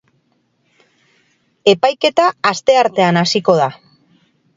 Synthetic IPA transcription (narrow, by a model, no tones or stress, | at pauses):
e̞pajke̞t̪aːst̪e̞aɾt̪e̞anasiko̞ð̞a